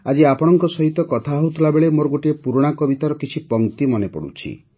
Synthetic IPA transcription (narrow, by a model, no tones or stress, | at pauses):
ad͡ʒiapɔɽ̃ɔŋkɔsɔɦit̪ɔkɔt̪ʰaɦɔut̪ʰilabeɭemoɾɔɡoʈiepuɾɔɽ̃akɔbit̪aɾɔkit͡ʃʰipɔŋt̪imɔnepɔ̰ɽṵt͡ʃʰḭ